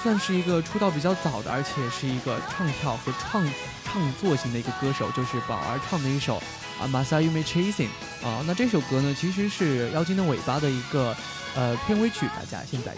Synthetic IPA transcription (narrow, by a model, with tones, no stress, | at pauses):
swa˥˧nʂɻ̩˥˩i˧˥ɡə˧ʈ͡ʂʰu˥t̪ɑ˥˩ʊpi˨˩t͡ɕjɑ˥˩ʊt͡sɑ˨˩ʊd̪ə̰˦ə̰˞˧˥t͡ɕʰjɛ˨˩ʂɻ̩˥˩i˧˥ɡə˧ʈ͡ʂʰwɑ˥˧ŋt̪ʰjɑ˥˩ʊxɤ˧˥ʈ͡ʂʰwɑ˥˧ŋ | ʈ͡ʂʰwɑ˥˧ŋt͡swɔ˥˩ɕi˧˥ŋd̪ə˧i˧˥ɡə˧kɤ˥ʂo˨˩˦ʊt͡ɕjo˥˧ʊʂɻ̩˥˩pɑ̰˨˩ʊə̰˞˧˥ʈ͡ʂʰwɑ˥˩ŋd̪ə˧i˥˩ʂo̰˨˩˦ʊ | a̰˧˩ma˨˩sa˥ju˥˧me˥˩ʈ͡ʂʰe˥ɪsḭ˨˩ŋ | ə̰˥˧na˥˧ʈ͡ʂɤ˥˩ʂ̬o˨˩ʊkɤ˥nə˨t͡ɕʰi˧˥ʂ̬ɻ̩˧˥ʂɻ̩˥˩jɑ˥˧ʊt͡ɕʰi˥ŋd̪ə˧we˨˩ɪpa˥d̪ə˨i˧˥ɡə˧ | ə˧pʰjɛ˥˩nwe˥ɪt͡ɕʰy˨˩˦t̪a̰˥˩t͡ɕja̰˥ɕjɛ˥˧nt͡sa̰˥˩ɪ